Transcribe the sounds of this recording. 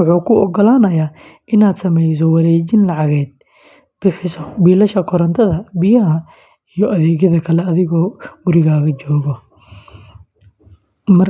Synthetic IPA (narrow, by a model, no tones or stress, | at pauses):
ʊħuːkʰʊɔɡɔlaːnɐjaː | ʔɪnaːd̪sɐmɛjs̬ɔwɑɾɛːt͡ʃɪnlɑʕɑɣɛːd̪̥̚ | b̥ɪħɪsɔbiːlɐʃɐkʰɔɾɐnt̪ʰɐðɐbɪjɐɦɐ | ijɔʔɐðɛːɣjɐðɐkʰɐlɛɐðɪɣɔːɡʊɾɪɣaːɣɐt͡ʃɔːɣɔ | mɐr